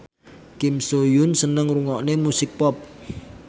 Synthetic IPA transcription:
kɪmsojʊnsənəŋruŋɔʔnemusɪk̚pɔp̚

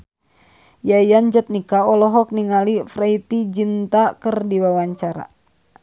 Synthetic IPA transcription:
jajand͡ʒət̪̚nikaɔlɔɦɔk̚niŋalifɾait̪id͡ʒint̪akərdiwawaɲt͡ʃaɾa̰

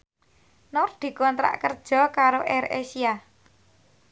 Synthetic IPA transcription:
nɔrd̪̥i̤kɔnt̪ɾa̰ʔkərd̥ʒ̥ɔ̤kaɾoʔɛɾḛsia

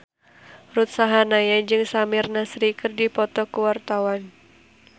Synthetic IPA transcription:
rut̪̚saɦanajad͡ʒɨŋsamɪrnasɾikɨrdipɔt̪ɔkəwart̪awan

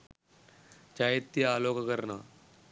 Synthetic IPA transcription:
t͡ʃaɦet̪ːiaːloːkkəɾnaː

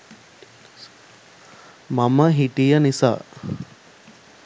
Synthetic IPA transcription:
maməɦiʈijənisa̰ː

